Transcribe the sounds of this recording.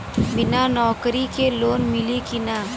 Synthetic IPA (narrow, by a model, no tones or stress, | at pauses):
bɪnanɔːkɾikeloːnmɪlikɪnaː